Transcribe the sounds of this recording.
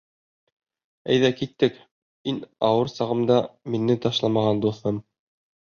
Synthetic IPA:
æ̰jðækit̪ːɘk | inɑwɤɾsɑʁɤ̆md̪ɑminːɘt̪ɑʃlˠɑmɑʁɑnd̪uθːɤm

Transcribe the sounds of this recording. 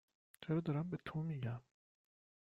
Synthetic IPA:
t͡ʃʰeɾɒːd̪ɒːɾæmbet̪ʰomiɟæm

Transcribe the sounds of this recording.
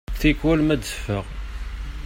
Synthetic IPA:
θikwælmæd̪əfːəʁ

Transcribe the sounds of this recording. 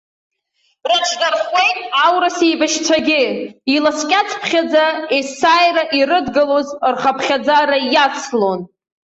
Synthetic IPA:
rɨʈ͡ʂʰnarχejtʼawɾasejbaʃt͡sʷʰaɡʲɪilaskʲʼat͡sʰpʰχʲad͡zaesajraʔirɨdɡalozrχapʰχʲad͡zaɾajat͡sʰlo̞n

